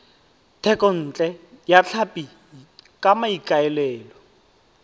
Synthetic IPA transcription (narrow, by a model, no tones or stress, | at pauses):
tʰɛkʼɔn̩ːt͡ɬʼɛjat͡ɬʰapʼi | kʼamaikʼaɛlɛːlɔ